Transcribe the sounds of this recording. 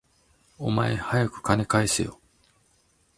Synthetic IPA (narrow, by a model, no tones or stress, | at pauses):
o̞maehajakɯ̟̥kane̞kaisḛjo̰